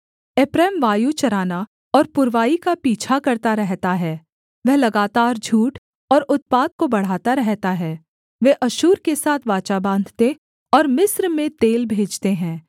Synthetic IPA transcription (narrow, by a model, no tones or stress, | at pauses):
eːpɾɛːmʋaːjut͡ʃɐɾaːna | ɔːɾpʊɾʋaːikapiːt͡ʃʰakɐɾt̪aɾɛɦt̪aɦɛː | ʋɛɦlɐɡaːt̪aːɾd͡ʒʱuːʈ | ɔːɾʊt̪̚paːt̪̚kobɐɽ̤aːt̪aɾɛɦt̪aɦɛː | ʋeʔɐʃuːɾkesaːt̪ʰʋaːt͡ʃabãːnd̪ʱt̪e | ɔːɾmɪsɾmẽt̪eːlbʱeːd͡ʒt̪eɦɛ̃ː